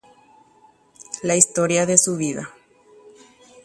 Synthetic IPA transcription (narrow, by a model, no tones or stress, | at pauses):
laist̪oɾjaðesuβiða